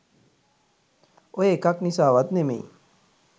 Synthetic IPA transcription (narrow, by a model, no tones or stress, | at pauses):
ojeːkaknisaːʋat̪nemḛi